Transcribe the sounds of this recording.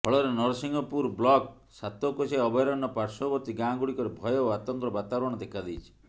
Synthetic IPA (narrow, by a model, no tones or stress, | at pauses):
pʰɔɭɔɾenɔɾsiŋɡɔpuɾblɔk | sat̪ɔkoseɔbɔjɾɔnːɔpaɾsɔ̃bɔt̪iɡãɡuɭikɔɾebʱɔjɔat̪ɔŋkɾɔbat̪aɔɽ̃ɔd̪ekʰad̪ejt͡ʃʰi̥